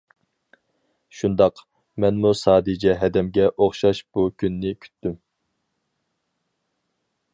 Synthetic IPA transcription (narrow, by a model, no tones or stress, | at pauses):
ʃund̪ɑq | mɛnmusɑːd̪ɛd͡ʒɛɦɛd̪ɛmɡʲɛʔoχʃɑʃb̥ukʲʰynːɪkʲʰy̥t̪ːym